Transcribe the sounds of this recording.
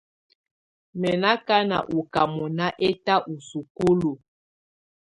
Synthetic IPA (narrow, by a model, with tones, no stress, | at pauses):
mɛ˨na˦ka˦na̰˨ʔu˨ka˨mɔ˨na˦ʔe˦ta˦ʔu˨su˨ku˦lu˨